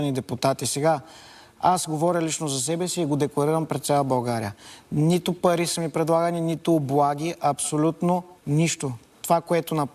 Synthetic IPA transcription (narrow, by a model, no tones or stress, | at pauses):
nid̪ɛpʊt̪at̪isɛɡa | asɡovɔɾʲəlit͡ʃnozɐs̬ɛbɛsiːɡod̪ɛklˠɐɾiɾɐmpɾɛt̪sʲjalˠɐbɐlˠɡaɾḭənit̪ʊpɐɾisəmipɾɛd̪lˠaɡɐninit̪ʊːblˠaɡ̟ʲiʔɐpsolʲut̪noniʃt̪ot̪ovakoɛt̪onɐp